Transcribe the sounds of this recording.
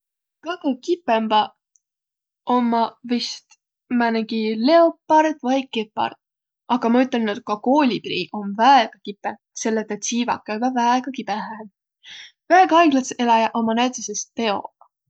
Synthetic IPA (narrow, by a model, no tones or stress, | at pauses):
kɑɡukipːemb̥ɑ | omːɑvist̪ | mæneɡile̞opːɑɾt̪vɑjkepːɑ̰rt̪̚ | ɑɡ̥ɑmɑyt̪ːˑelnot̪̚kɑkoːlʲibɾiʔo̞nvæeɡ̥ɑkipːˑe | se̞lːet̪ːɑt̪siːvɑ̰kːæjbɑvæeɡ̥ɑkibeɦæn | væeɡ̥ɑɑjɡlɑselɑjɑʔo̞mɑnæd̪ʲisest̪̚pe̞o̞